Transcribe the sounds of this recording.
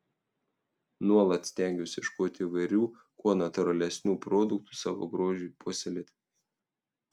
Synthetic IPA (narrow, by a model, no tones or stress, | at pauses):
nuɔlˠɐt̪sʲt̪ʲɛˑŋʲɡʲʊsʲɪʃkoːt̪ʲiːʋɐɪɾʲuː | kuɔnɐt̪ʊɾɐlʲɛsʲnʲuːpɾoːd̪ʊkt̪u̥sɑːʋo̰ːɡɾoːʒʲʊjpuɔsʲɛlʲet̪ʲ